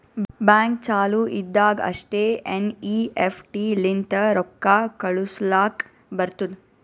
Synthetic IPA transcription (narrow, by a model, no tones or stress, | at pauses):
baːŋk̚t͡ʃaːluʔid̪ːaːɡɐ̰ʂʈeːeniːefʰʈiːlint̪ɐɾɔkːaːkɐɭuslaːk | bɐɾt̪ud̪